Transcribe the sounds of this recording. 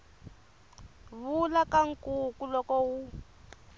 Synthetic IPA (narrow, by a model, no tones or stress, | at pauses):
βulakaŋ̩kukulɔkɔwu